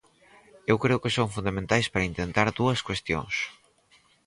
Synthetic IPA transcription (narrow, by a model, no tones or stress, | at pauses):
ewkɾeʊkɪsoŋfund̪amẽnt̪ajspaɾɐint̪ent̪aɾðuɐskwest̪jo̰ŋs